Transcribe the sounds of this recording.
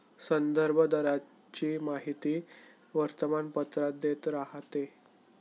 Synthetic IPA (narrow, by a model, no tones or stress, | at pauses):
sənd̪əɾbʱəd̪əɾa | t͡ɕiːmaɦit̪iː | ʋəɾt̪əmanpət̪ɾad̪et̪ɾaɦt̪e